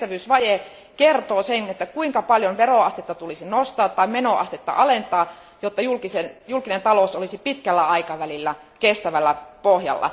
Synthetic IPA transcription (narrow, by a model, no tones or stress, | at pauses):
t̪æʋyːsʋɑje | kert̪oːsenet̪ːækuiŋkɑpɑljonʋeroɑst̪et̪ːɑt̪ulisinost̪ɑːt̪ːɑimenoʔɑ̰st̪et̪ːɑ̰ʔɑlent̪ɑː | jot̪ːɑjulkisejulkinent̪ɑlosolisipit̪kælːæɑikɑʋælilːækest̪æʋælːæpohjɑ̰lːɑ̰